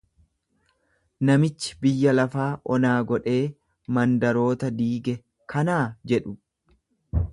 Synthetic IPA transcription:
nɐmɪt͡ʃːɪ̥bɪjːɐlɐfaːʔɔnaːɡɔᶑe̞ː | mɐnd̪ɐɾo̞ːt̪ɐd̪iːɡɛ | kʰɐnaːd͡ʒɛᶑʊ

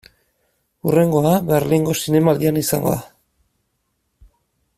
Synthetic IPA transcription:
ure̞ŋɡo̞aβe̞ɾliŋɡo̞sine̞maːld̪ianisa̰ŋɡo̞̰ða

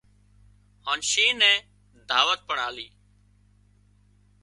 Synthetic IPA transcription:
haːnʃiːnɛ̃ː | d̪ʱaːʋət̪̚pəɳaːliː

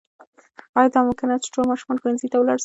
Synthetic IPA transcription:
ɑjɑd̪ɑmʊkɪnat͡sʈ͡ʂolmɑʃumɑnxwanzit̪awlɑɽʃ

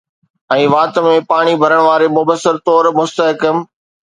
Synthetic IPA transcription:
ɛ̃ːʋaːt̪mẽpaːɽ̃ibʱɐɾəɽ̃ʋaːɾemʊbəsːɪɾt̪ɔːɾmʊst̪əɦkəm

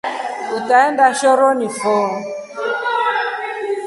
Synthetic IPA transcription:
utaɛndaʃɔɾɔnifɔː

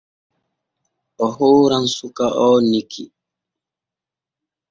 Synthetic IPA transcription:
ɔɦoːɾaŋsukaʔɔːnikʰḭ

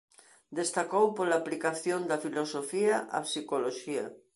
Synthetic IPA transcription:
d̪est̪akowpolaːplikaθjõnd̪afilosofiaʔa̰sikoloʃia̰

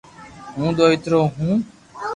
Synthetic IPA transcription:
ɦũːd̪oːɪt̪ɾoːɦũː

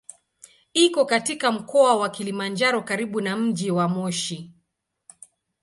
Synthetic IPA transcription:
ikɔkatikam̩kɔawakilimand͡ʒaɾɔkaɾiɓunam̩ʄiwamɔʃi

